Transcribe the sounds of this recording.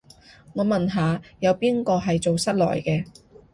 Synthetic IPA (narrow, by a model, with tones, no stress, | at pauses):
ŋɔː˨˧mɐ˨nɦaː˨˧jɐ˨˧wpiː˥nkɔː˧ɦɐ˨jt͡so˨wsɐ˥t̚lɔ̰ː˨˩jkɛː˧